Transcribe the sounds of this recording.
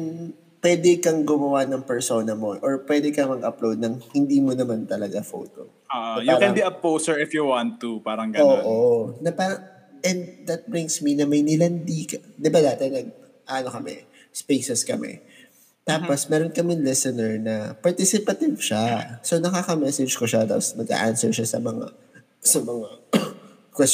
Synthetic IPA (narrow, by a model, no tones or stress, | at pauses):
n | pwɛːd̪ɛkɐŋɡʊmɐwanɐŋpɛɹso̞ːnɐmoʔɔɹpwɛːd̪ɛkɐŋmɐɡɐplowd̪̚nɐŋhɪnd̪iːmonɐmant̪ɐlɐɡafo̰ːt̪o̰ | oʔojukɛ̃nbiɐpowsɛɹɪfjuwãnt̪ːupaːɾɐŋɡɐoːʔonɐpaːɾɐŋ | ʔɛnd̪d̪ɐt̪̚bɹɪ̃ŋɡsminɐmɐjnɪlɐnd̪ikɐd̪ɪbad̪aːt̪ɛnɐɡ̚ | ʔaʔɐnokɐmɛ̰ | spejsɛskɐmɛ̰ | t̪aːposmɛːɾonkɐmɪnlɛsɛnɛɹnɐpɐɹt̪ɪsɪpɐt̪ɪvʃasonɐkaːkɐmɛsɛd͡ʒkoʃat̪aposnɐɡa̰ʔansɛɹʃasɐmɐŋa̰ | sɐmɐŋa | kwɛs